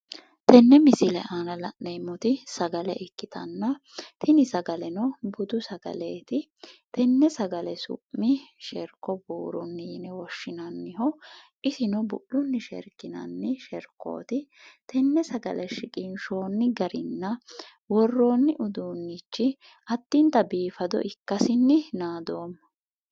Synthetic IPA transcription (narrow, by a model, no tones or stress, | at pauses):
t̪ɛnːɛmɪsɪlɛ̰ʔaːnɐlɐ̰ʔnemːɔt̪ɪsɐɡɐlɛʔɪkːɪt̪ɐ̰nːɐ | t̪ʰɪnɪsɐɡɐlɛnɔbʊd̪ʊsɐɡ̥ɐ̰leːt̪ɪ | t̪ɛnːɛsɐɡɐlɛsʊ̰pːɪʃɛɾkːɔbuːɾʊnːiːnɛwɔʃːɪnɐnːɪɦɔ | ʔɪsɪnɔbʊ̰ʔːʊnːɪʃɛ̰ɾkːɪnɐ̰nːɪʃɛɾkːo̰ːt̪ɪt̪ɛnːɛsɐɡɐ̰lɛʃɪkʼɪnʃo̞ːnːɪɡɐɾɪ̰nːɐ | wɔrːo̞ːnːɪʔʊd̪uːnːit͡ʃːɪ | ʔɐd̪̥ːɪnt̪ɐbiːfɐd̪ɔ̰ʔɪkːɐsɪnːɪnaːd̪o̞ːmː